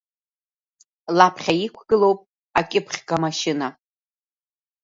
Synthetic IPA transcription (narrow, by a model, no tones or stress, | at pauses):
lapʰχʲaikʷʰɡ̥ɨlo̞wpʼ | akʲʼɪpʰχʲkʼamaʃɪna